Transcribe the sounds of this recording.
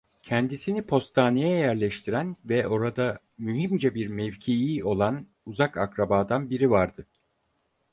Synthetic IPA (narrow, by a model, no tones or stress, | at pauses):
cʰɛnd̪isinipʰo̞st̪ʰaːnijɛjæɾlʲɛʃt̪ʰiɾænvɛʔo̞ɾad̪a | myɦimd͡ʒɛbiɾmɛvcʰijio̞lˠan | uzakakɾabaːd̪anbiɾivaɾd̪ɯ